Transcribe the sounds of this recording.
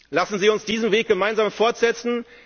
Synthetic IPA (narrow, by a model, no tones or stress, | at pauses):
lasn̩ziːʊnsd̥iːzn̩mveːk̚ɡ̥əmaɪnzaːmfɔɐtz̥ɛt͡sn̩